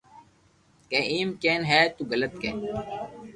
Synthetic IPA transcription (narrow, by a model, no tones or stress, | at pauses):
keːʔiːmkeːnɦɛːt̪uɡələt̪̚kḛːn